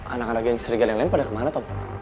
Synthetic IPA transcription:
ʔa̰nakanak̚ɡjaŋsəɾiɡaljaŋlaɪnpadakəmanat̪ɔp

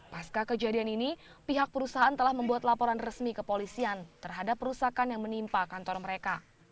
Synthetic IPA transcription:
paskakəd͡ʒadianini | piɦak̚pəɾusaɦaant̪əlahməmbuat̪lapoɾanrəsmikəpolisiant̪ərɦadapːəɾusakanjaŋmənimpakant̪ɔrməɾeka

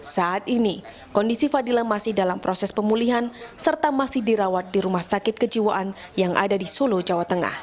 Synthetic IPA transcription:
saʔat̪ini | kɔndisifadilamasɪhdalampɾosɛspəmuliɦansərt̪amasɪhdiɾawat̪̚diɾumahsakɪt̪̚kəd͡ʒiwaʔan | jaŋʔa̰dadisulud͡ʒawat̪əŋa̰h

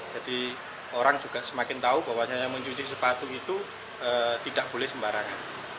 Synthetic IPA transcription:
d͡ʒ̥ad̥i | oɾaŋd͡ʒuɡ̥aʔsəmakɪnt̪aubawaɲajaməɲt͡ʃut͡ʃisəpat̪uit̪u | ət̪idaʔb̥olɛhsəmbaɾaŋan

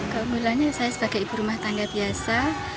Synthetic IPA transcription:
kəuŋɡulanɲasajasəbaɡajibuɾumaht̪aŋɡabiasa

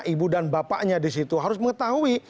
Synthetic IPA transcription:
ʔibudanbapa̰ʔɲadis̬it̪uɦaɾʊsməŋət̪aɦui

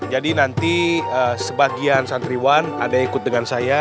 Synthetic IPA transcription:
d͡ʒadinant̪iəːsəbaɡiansant̪ɾiwanadaikʊt̪̚dəŋansaja

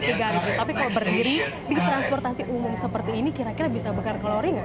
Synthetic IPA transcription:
t̪iɡant̪apikalobərdiɾi | dit̪ɾanspɔrt̪asiʔumʊmsəpərt̪iːnikiɾakiɾabisabəkarkəloɾiŋa

